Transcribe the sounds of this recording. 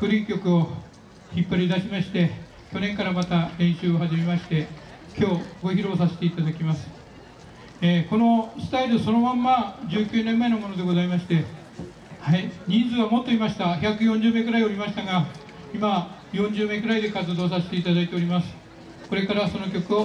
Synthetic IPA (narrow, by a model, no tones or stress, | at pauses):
kɯ̟ɾʲĩŋkʲo̞kɯ̟o̞ | çipːaɾʲid̪aɕimaɕi̥t̪e̞ | kʲo̞nẽ̞ŋkaɾamat̪aɾẽ̞ɰ̃ɕɨːohaʑime̞maɕi̥t̪e̞ | kʲʰo̞ːɡo̞çiɾo̞ːsase̞̥t̪e̞it̪ad̪akʲimasɨ̥ | eːko̞no̞sɨ̥t̪aiɾɯso̞no̞mãmːad͡ʑɨːkʲɨːnẽmːae̞no̞mo̞no̞d̪e̞ɡo̞zaimaɕi̥t̪e̞ | haiɲ̟ĩnd͡zɨβamo̞t̪ːo̞imaɕi̥t̪açʲakɯ̟jõ̞ɲ̟d͡ʑɨːme̞kɯ̟ɾaio̞ɾʲimaɕi̥t̪aɡa | ima | jõ̞ɲd͡ʑɨːme̞kɯ̟ɾaid̪e̞kat͡sɨd̪o̞ːsase̥t̪e̞it̪ad̪ait̪e̞o̞ɾʲimasɨ̥ | ko̞ɾe̞kaɾaso̞no̞kʲo̞kɯ̟o